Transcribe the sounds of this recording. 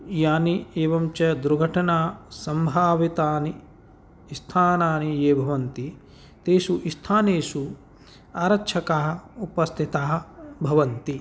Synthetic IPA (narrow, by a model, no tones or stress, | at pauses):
jaːnieːʋɐmt͡ʃɐd̪ɾuɡʱɐʈʰɐnaːsɐmbʱaːʋit̪aːniː | st̪ʰaːnaːnijeːbʱɐʋɐnt̪i | t̪eːʃuʔist̪ʰaːneːʃu | aːɾɐkt͡ʃʰɐkaɦɐ̆upɐst̪ʰit̪aːɦɐ̆bʱɐʋɐnt̪i